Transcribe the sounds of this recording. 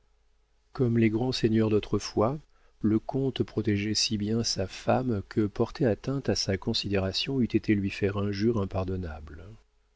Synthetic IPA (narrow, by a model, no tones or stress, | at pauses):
kɔmleɡʁɑ̃sɛɲœʁd̪ot̪χəfwa | ləkʰɔ̃t̪pχɔt̪ɛʒɛsibjɛ̃safamkʰəpɔʁt̪ʰeat̪ɛ̃t̪asakɔ̃sid̪eʁasjɔ̃yt̪et̪ʰelɥifɛʁɛ̃ʒyʁɛ̃paʁd̪ɔnabl